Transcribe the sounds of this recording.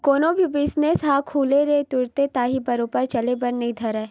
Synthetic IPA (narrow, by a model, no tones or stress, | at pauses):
koːnõbʱibɪsnesɦaːkʰuːleɾet̪ʊɾt̪et̪aːɦibɐɾoːpəɾt͡ʃɐlebɐɾnɐɦĩd̪ʱɐɾɛː